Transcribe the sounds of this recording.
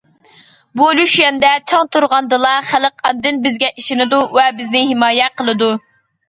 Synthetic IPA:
buluʃjɛnd̪ɛt͡ʃʰɑŋt̪ʰuɾʁɑnd̪ɨlˠɑχæləqɑnd̪ɪnbɪzɡʲɛʔiʃɪnɪd̪uvɛbɪznɪɦɪmɑːjɛqəlˠɨd̪u

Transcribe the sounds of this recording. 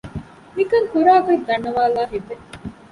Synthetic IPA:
mikɐŋkuɾaːkɐind̪ɐɳːɐʋaːlaːɦiʋːe

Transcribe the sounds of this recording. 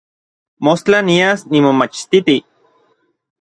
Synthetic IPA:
most͡ɬaniasnimomat͡ʃt̪it̪i

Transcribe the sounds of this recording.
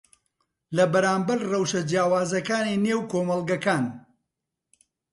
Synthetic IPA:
lɐbɐɾaːmbɐɾrɐwʃɐd͡ʒjaːwaːzɐkaːnineːwkoːmɐlˠɡɐkaːn

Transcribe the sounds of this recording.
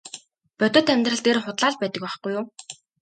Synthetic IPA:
pœt̪ɵ̆ːt̪æmʲt̪rə̆ɮt̪eːrχʊt̪ɮaːɮpæːt̪ə̆k̚paχɡujːʊm

